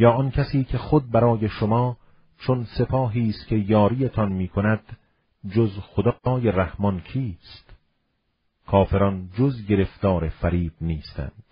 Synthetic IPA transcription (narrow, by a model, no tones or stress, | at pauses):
jɒːʔɒnkʲʰæsiːkʰe̞χod̪̚bæɾɒːje̞ʃomɒː | t͡ʃʰonse̞pʰɒːɦiːst̪̚kʲʰe̞jɒːɾiːet̪ʰɒnmiːkʰonæd̪̥ | d͡ʒozxod̪ːjeræhmɒnkʰiːst̪ | kʰɒːfe̞ɾɒnd͡ʒozɡe̞ɾe̞ft̪ɒːɾefæɾiːb̥̚niːst̪æ̰nd̪̥